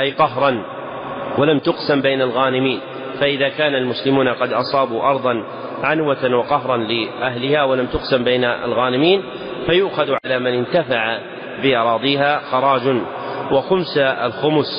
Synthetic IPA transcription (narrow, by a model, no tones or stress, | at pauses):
ʔajqɑɦɾˤɑn | walamt̪ʊqsambajnalɣaːnɪmiːn | faʔɪðaːkaːnalmʊslɪmuːnaqɑd̪ʔɑsˤɑːbuʔɑɾˤðˤɑn | ʕanwat̪anwɑqɑɦɾˤɑnlɪʔaɦlɪhaːwalamt̪ʊqsambejnaa̰lɣɑːnɪmiːn | fajʊʔxaðʕalaːmɪnɪnt̪afaʕa | bɪʔɑɾˤɑːðˤiːɦaːxɑɾˤɑːd͡ʒn | waxʊmsa̰lxʊmʊs